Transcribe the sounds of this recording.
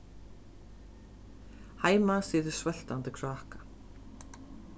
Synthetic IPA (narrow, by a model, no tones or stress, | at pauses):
haːjmasiːðɪɾ̥svɛl̥t̪ant̪ɪkʰɾaːhkḁ